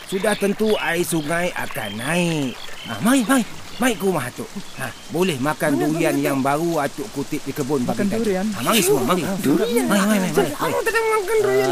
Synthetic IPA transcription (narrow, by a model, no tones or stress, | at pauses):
sudaht̪ənt̪uaisuŋaja̰kanːaɪʔa̰maɪmaɪmaɪʔkəɾumaɦat͡ʃʊʔa | bolɛhmakanduianjaŋbaɾuat͡ʃ̪ʊʔkut̪ɪt̪̚dikəbʊnpaknkaamaɾisəmuamaɾimaiʔmaiʔmaiʔmɾimat̪ədamŋakandua